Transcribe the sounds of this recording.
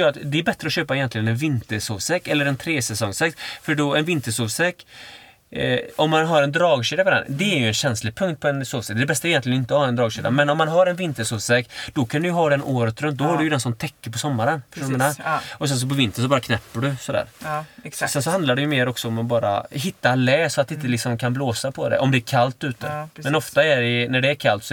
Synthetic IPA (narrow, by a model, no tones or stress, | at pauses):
jːɾat̪d̪ɛæɾbɛt̪ɾəɔɕøːpaɛjɛnt̪lɪɡənɛnvɪnt̪əɾsoːvsɛkːɛlːəɾɛnt̪ʰɾeːsɛsɔŋsɛkt̪fœɖɔɛnvɪnt̪əʂoːvsɛkː | ɔmːanɦaɾɛnd̪ɾɑːɡʂiːd̪apʰɔd̪ɛ̰nd̪ɛæɾjɵɛnɕɛnslɪɡ̚pʰɵŋkt̪̚pʰɔɛnsoːvsɛk̪d̪ɛbɛst̪aɛjɛnlɪjənɪnt̪əɔhɑːɛnd̪ɾɑːɡʂiːd̪a̰mɛnɔmːanɦaɾɛnvɪnt̪əʂoːvsɛkːd̪̥ɔkʰand̪ɵjɵɦɑːd̪ɛnʔoːɾət̪ɾɵmt̪̚d̪ɔhaɖɵjəd̪ɛnsɔmt̪ʰɛkːəɾpʰɔsɔmːaɾənʰənaɔs̬ɛns̬ɔp̬ɔvɪnt̪əns̬ɔbɑːɾakʰnɛpːəɖɵsɔd̪æ̰ːɾ | sɛnsɔɦand̪laɖɛjɵmeːɾɔksɔɔmabɑːɾa̰ɦɪt̪ːalɛːsɔat̪d̪ɪnt̪ːəlɪksɔmkʰanbloːsapʰɔd̪ɛ̰ʔɔmd̪ɛæɾkʰalt̪ʉ̟ːt̪ə̰mɛnɔft̪aæɖɛnæɖɛːɾkʰalt̪s